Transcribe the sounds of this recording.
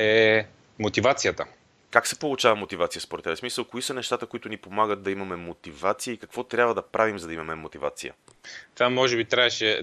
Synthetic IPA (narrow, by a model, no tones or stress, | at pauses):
ɛ | mot̪ivat̪sijət̪ə | kaksɛ̥polˠʊt͡ʃavɐmot̪ivat̪sijəspoɾɛt̪ɛbɛsmisəlˠkoisənɛʃt̪at̪əkoit̪ʊnipomaɡət̪̚d̪ɐimɐmɛmot̪ivat̪siəikɐkvɔt̪ɾʲabvəd̪ɐpɾʔavimzɐd̪ɐimɐmɛmot̪iva̰t̪sḭjə̰ | t̪vamːɔʒɛbit̪ɾaɛʃɛ